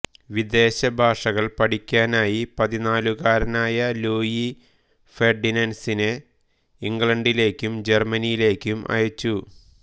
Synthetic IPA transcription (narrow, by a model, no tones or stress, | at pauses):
ʋid̪e̞ːɕɐbʱaːʂɐɣɐɭpɐʈikʲːaːnaːjipɐðinaːluɣaːɾɐnaːjɐloːji | ferɖinɐnsine | iŋɡɭɐɳɖile̞ːkʲːumd͡ʑermɐnijile̞ːkʲːumʔɐ̰jɐt͡ɕːu